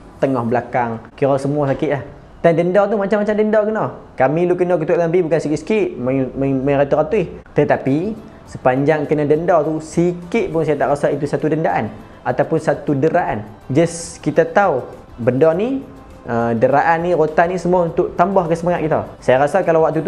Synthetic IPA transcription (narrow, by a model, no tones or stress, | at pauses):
t̪əŋɔhbəlakaŋkiɾɔsəmuasakɪt̪ʔlah | d̪andəndɔt̪̬umat͡ʃamːat͡ʃamdəndɔkənɔkamilukənɔk̬ət̪uʔ̪ampibukansikɪt̪sə̥kɪʔmməməɾat̪uat̪uiht̪ət̪api | səpaɲd͡ʒaŋkənadəndɔt̪usikɪt̪̚pʊŋsajat̪a̰ʔɾasait̪usat̪udəndaʔan | at̪awpʊnsat̪udəɾaʔan | d͡ʒaskit̪at̪au | bəndɔni | ʔədəɾaʔanːiɾot̪anisəmuaunt̪ʊʔt̪ambɔhkəsəmaŋat̪̚kit̪a̰sajaɾasakalawak̚t̪ut̪u